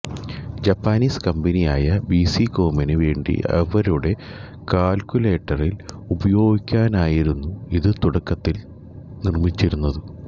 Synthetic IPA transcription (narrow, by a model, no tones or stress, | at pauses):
d͡ʑɐpːaːniːskɐmbɐnijaːjɐbisikoːmɐnɨʋe̞ːɳɖḭʔɐ̰ʋɐɾuɽe̞ | kaːlkʲule̞ːʈːɐrilubɐjo̞ːɡikʲːaːnaːjiɾunːuiðɨt̪uɽɐkːɐt̪ːil | nirmit͡ɕːiɾunːɐðɨ